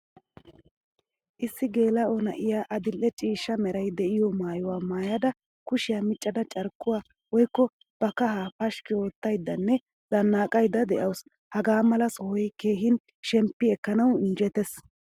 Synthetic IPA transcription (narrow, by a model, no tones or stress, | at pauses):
ʔɪsːɪɡe̞ːlɐɔnɐ̰ʔɪjaːʔɐd̪ɪlːɛt͡ʃʼiːʃːɐmɛɾɐjd̪ɛʔɪjɔmaːjʊwaːmaːjɐd̪ɐ | kʊʃɪjaːmɪt͡ʃʼːɐd̪ɐt͡ʃʼɐɾkːʊwaː | wɔjkːɔ | b̥ɐkɐɦaːpɐʃkɪo̞ːt̪ːɐjd̪ːɐnːɛ | d̪̥ɐnːaːkʼɐjd̪ːɐd̪ɛʔɐws | hɐɡaːmɐlɐsɔhɔjke̞ːɦɪn | ʃɛmpːɪɛkːɐnɐwnd͡ʒɛt̪ɛs